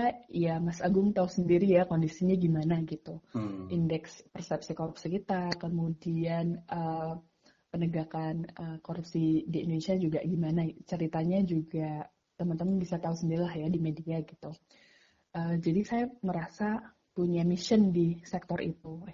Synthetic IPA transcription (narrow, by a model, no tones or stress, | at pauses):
ajamasaɡʊŋt̪ausəndiɾijakondisiɲaɡimanaɡit̪uʔindɛkspərsɛp̚sikoɾupsikit̪akəmudianʔə | pənəɡakanʔəkoɾup̚sidiːndonesiad͡ʒuɡaɡimanat͡ʃəɾit̪aɲad͡ʒuɡa | t̪əmənt̪əmənbisat̪ausəndiɾilahjadimediaɡit̪u | ʔəːd͡ʒadisajaŋəɾasa | puɲamiʃəndisɛk̚t̪ɔrʔḭt̪u